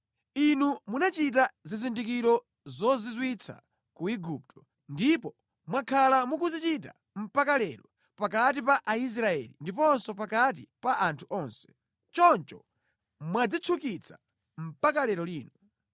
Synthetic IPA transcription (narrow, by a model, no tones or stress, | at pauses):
inumunat͡ʃit̬azizindikiɾɔ | zɔzizwit͡sʰa̰ | kuiɡup̚tʰɔ̥ | ndipɔ | mwakʰalamukuzit͡ʃita̰ | m̩pakalɛɾɔ | pakat̬ip̬aʔais̬ɾaɛ̰lḭndipɔnsɔpakat̬ḭpaʔantʰuʔɔnsɛ̥ | t͡ʃɔnt͡ʃɔ | mwad͡zit͡ʃʰukit͡sʰḁ̰ | m̩pakalɛɾɔliːnɔ